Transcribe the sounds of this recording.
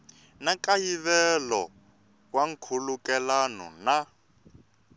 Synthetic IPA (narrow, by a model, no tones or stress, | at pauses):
nakajiβɛlɔ | waŋ̩kʰulukɛlanɔ̰na